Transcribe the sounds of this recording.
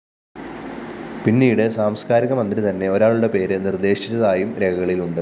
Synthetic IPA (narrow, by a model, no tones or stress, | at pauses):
pinːiːɽɨsaːmskaːɾiɣɐmɐnd̪rit̪ɐnːe̞o̞ɾaːɭuɽe̞pe̞ːɾɨnird̪e̞ːɕi̥t͡ɕːɐðaːjumɾe̞ɣɐɣɐɭiluɳɖɨ